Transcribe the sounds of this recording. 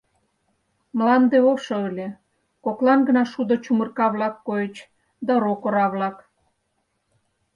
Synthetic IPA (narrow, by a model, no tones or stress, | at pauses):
mlɑnd̪eoʃoəlʲe | koklɑnɡə̆nɑʃud̪ŏt͡ɕumə̆rkɑβlɑkːojet͡ɕ | d̪ɑɾokoɾɑβlɑk